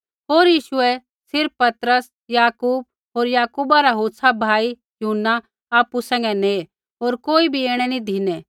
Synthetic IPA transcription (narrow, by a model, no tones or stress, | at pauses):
ɦoːɾjiːʃʊɛ | sɪɾpːɐt̪ɾəs | jaːkuːb̚ | ɦoːɾjaːkuːbaɾaɦoːtsʰabʱaːi | jʊɦənːa | aːpusɛ̃ŋɡɛne | ɦoːɾkoːibʱieːɽ̃ɛnid̪ʱiːnɛ